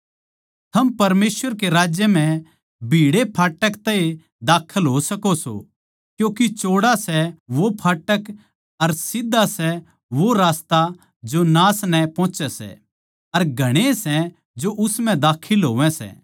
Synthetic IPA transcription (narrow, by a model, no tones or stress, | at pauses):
t̪ʰɐmpɐɾmeːsʋəɾkeɾaːd͡ʒjəm̤ɛ̃ | bʱiːɽepʰaːʈəkt̪ɛe | d̪aːkʰəlɦosɐkoso̰ | kjõːkit͡ʃoːɽasɛʋopʰaːʈək | ɐɾsɪd̪ʱːasɛ | ʋoɾaːst̪a | d͡ʒonaːsnɛpɔ̃ːt͡ʃɛsɛ̰ | ɐɾɡʱɐɽ̃esɛ | d͡ʒoʔʊsm̤ɛ̃d̪aːkʰɪlɦoːʋɛ̃sɛ̰ː